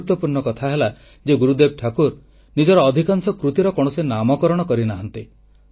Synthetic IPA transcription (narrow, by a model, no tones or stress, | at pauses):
ut̪wɔpuɾɳɔkɔt̪ʰaɦela | d͡ʒeɡuɾud̪eb̚ʈʰakuɾ | nid͡ʒɔɾɔːd̪ʱikaŋsɔkɾut̪iɾɔkɔɽ̃ɔsenamɔkɔɾɔɽ̃ɔkɔɾinaɦant̪i